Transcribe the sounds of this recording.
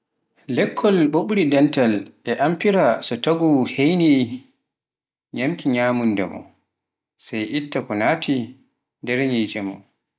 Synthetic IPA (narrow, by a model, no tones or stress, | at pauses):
lɛkʰːɔlɓoɓɾidɛntalʔɛʔampiɾasɔtaɡuhejni | ɲamkʰiɲaːmundɛ̰mɔ̰ | sajʔitːakɔnaːtʰi | dɛɾɲid͡ʒɛmɔ̰